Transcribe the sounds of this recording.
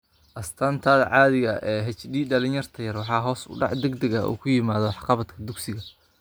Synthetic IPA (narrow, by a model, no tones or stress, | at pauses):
ʔɐst̪ʰɐnt̪ʰɐd̪ʕɑːðɪɣɐʔɛːɦɛt͡ʃɖiːɖɐlɪnjɐrt̪ʰɐjɐrwɑħɑːɦɔːsʊ̰ɖɑ̰ʕd̪ɛɡd̪ɛɣɐʔṵːkʰʊjɪmaːðɔwħqɑβɐd̪kʰɐd̪ʊɡsɪɣɐ